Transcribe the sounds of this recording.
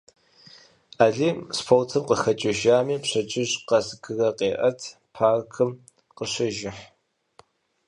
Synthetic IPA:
aːɮiːmspʰowtʰɨmqəxɐt͡ʃʼɪʒaːmiːpɕɐt͡ʃʼɪʑqɐsɡɨrɐqeːʔɐtʰ | pʰaːrkʰɨm | qəɕɐʒɪħ

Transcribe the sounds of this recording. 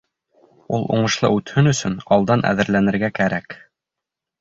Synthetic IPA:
ulˠṵɴɤ̆ʃlˠɤ̰ʉt̪hɵnɵ̆sɵnɑlˠd̪ɑnʔæ̰ðɘ̆ɾlænɘ̆ɾɡækæɾæk

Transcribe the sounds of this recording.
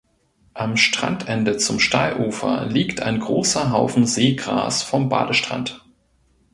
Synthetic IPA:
ʔamʃtʁ̥a̰ntʔɛndət͡sʊmʃtaɪlʔuːfɐ̰liːktʰa̰ɪnɡʁoːsɐɦaʊfn̩zeːɡʁa̰ːsfɔmba̰ːdəʃtʁ̥a̰nt

